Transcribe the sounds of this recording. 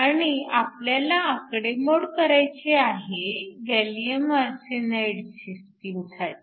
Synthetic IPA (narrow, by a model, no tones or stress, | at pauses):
aɽ̃iapljalaːkɽemoɽkəɾajt͡seaɦeɡɛliəməɾsenajɽsiskiːmsʰat̪